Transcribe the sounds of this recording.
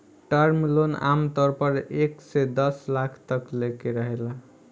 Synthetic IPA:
ʈəɾmilona̰mt̪ɔɾpəɾeksed̪ʌslakʰt̪əklekeɾəɦela

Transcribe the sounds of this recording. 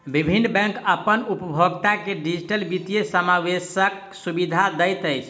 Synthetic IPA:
bibʱinːbɛ̃ŋkəpənupəbʱoɡt̪akeɖid͡ʒiʈəlbit̪ijesəmawesək | subid̪ʱad̪əjt̪əjt͡ʃʰ

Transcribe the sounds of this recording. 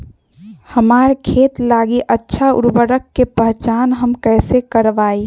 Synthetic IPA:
həmaːɾkʰeːt̪laːɡiʔətːʃʰaʊ̰ɾbəɾəkːepəɦt͡ʃaːnɦəmkɛːsekəɾʋaːi

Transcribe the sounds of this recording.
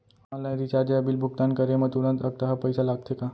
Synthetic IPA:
malãɾit͡ɕaɾd͡ʑaəbilbʱuɡ̚t̪ankəɾemət̪uɾənt̪əɡ̚t̪aɦapəjsalaɡ̚t̪eka

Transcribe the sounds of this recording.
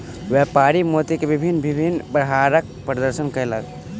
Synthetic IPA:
wepaɾimot̪ikebibʱinːbʱibʱinːbɾəɦaɾək̚ | pɾəd̪əɾsənkəelə̰ɡ

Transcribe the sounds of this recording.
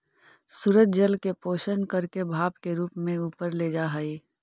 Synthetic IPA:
suɾətd͡ʒəlkepoːʃənkəɾkebʱaːbkeɾuːpmẽuːpəɾled͡ʒaɦəiː

